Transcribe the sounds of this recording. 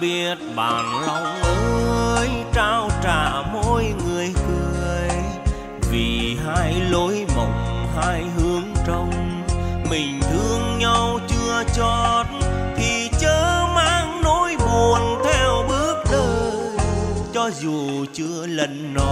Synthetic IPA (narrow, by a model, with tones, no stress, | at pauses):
ɓi˧˥ət̚ɓa̰ː˨˩nlɔ˧wŋ͡mʔəː˧jt͡ɕaː˧wt͡ɕaː˧˩mo˧jŋɨ˨˩əjkɨ˨˧˩əjj | vḭ˨˩ɦaː˧jlo˧˦jmə̰˧˨wŋ͡mɦaː˧jɦɨ˨˦əŋt͡ɕə˧wŋ͡mmï˨˩ŋ̟t̪ʰɨ˧əŋɲa˧wt͡ɕɨ˧ət͡ɕɔ˧˨˩t̚t̪ʰi˨˩t͡ɕəː˧˦maː˧ŋno˧˥jɓu˨˩ənt̪ʰɛ˧wɓɨ˦˥ək̚ɗəː˧jt͡ɕɔ˧zu˨˩t͡ɕɨ˧ələ˧˩nːɔ˧˦